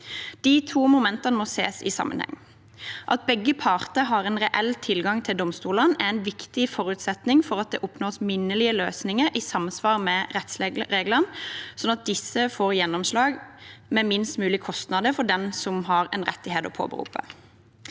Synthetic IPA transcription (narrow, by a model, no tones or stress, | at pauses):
d̪̥iːt̪ʰuːmʊmɛnt̪ɑnəmɔsḛːsɪ̰sɑ̰mʔə̰nhɛ̰ŋː | ʔɑ̰t̪̚bɛɡːəpʰɑːʁt̪əɦɑʁɛnʁɛʔɛlt̪ʰɪlɡɑŋt̪ʰɪld̪ɔmst̪uːlənæɛnʋɪkt̪ɪfɔɾʉt̪sɛt̪nɪŋfɔʁɑt̪̚d̪ɛ̰ːʔʊpnoːsmɪnːəlɪəlø̰ːsnɪŋəɾʔisɑmsʋɑːʁmɛʁɛt̪sʁeːɡlənsɔnɑt̪̚d̪ɪsəfoːʁjɛnːɔmslɑːɡmɛmɪnst̪mʉːlɪkʰɔst̪nɑd̪əfɔɖ̪ɛnsɔmɦɑʁɛnʁɛ̰t̪ːɪheːt̪ɔ̰pʰo̰ːbə̰ʁṵːpə̰